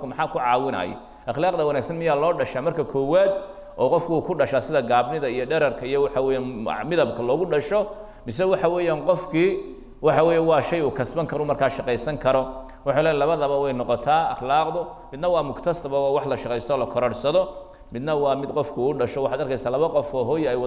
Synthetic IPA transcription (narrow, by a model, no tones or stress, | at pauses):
kʊmɐħaːkʰʊʕɑːwɪnɐ̰jɔ̰ | ʔɐχlaːqd̪ɐwɐnaːɡsɐnmɪjaːlɔːɖɐʃaːmɐrkʰɐkʰɔːwaːd̪ | ʔɔːqɔfkʰʊuːkʰʊɖɐʃasɪðɐɡaːbnɪðɐijɔɖɛɾɐrkʰɐijɔwɑħɑwɛːjaːnmɪðɐbkʰɐlɔːɣʊɖɐʃɔ | mɪsɛwɑħɑwɛːjaːnqɔfkʰiː | wɑħɑwɛːjaːwɑːʃɛjuːkʰɐsbɐŋkʰɐɾʊmɐrkʰaːʃɑqɛjsɐŋkʰɐɾɔ | wɑħlɛːjlɐβɐðɐβɐwɛjnɔqɔt̪ʰaːɐχlaːqðʊ | mɪd̪nɐwɑːmʊkt̪ʰɐsɐβɐwːwɑħlɐʃɑqɛjst̪ʰɔːlɐkʰɔɾɔɽsɐðɔ | mɪd̪nɐwɑːmɪd̪qɔfkʰʊːɖɐʃɔwɑħɑːd̪ɐrkʰɛjsaːlɐβɐqɔfɔːɦɔːjɛjw